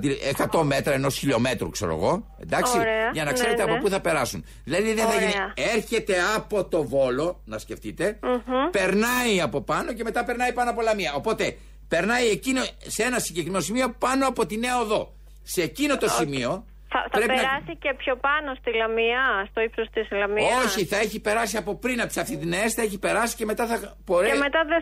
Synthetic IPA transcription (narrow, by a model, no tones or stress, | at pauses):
t̪iekɐt̪o̞me̞t̪ɾɐeno̞sçiʎo̞me̞t̪ɾṵkse̞ɾo̰ɣo̞e̞̰nd̪ɐksiɾeɐʝɐnɐkse̞ɾet̪eɐpopuθɐpe̞ɾɐsun | ðilɐðiðeθɐʝiniɐeɾçe̞t̪e̞ɐpo̞t̪o̞vo̞lo̞nɐsce̞ft̪it̪e̞pe̞ɾnɐiɐpo̞pɐno̞ce̞me̞t̪ɐpe̞ɾnɐipɐnoɐpo̞lɐmiɐo̞po̞t̪e̞ | pe̞ɾnɐjiecinosee̞nɐsiɲɟekɾimenosimio̞pɐno̞ɐpo̞t̪ine̞oðo̞ | seːcino̞t̪o̞simio̞ | θɐ̰θɐpɾe̞pienɾɐsicepçopɐnost̪ilɐmiɐst̪oipsost̪isilɐmioçiθɐe̞çipe̞ɾɐsiɐpo̞pɾinɐp̚t̪i̥sɐft̪it̪ineesθɐeçipe̞ɾɐsi̥ce̞me̞t̪ɐθɐboɾeemet̪ɐðe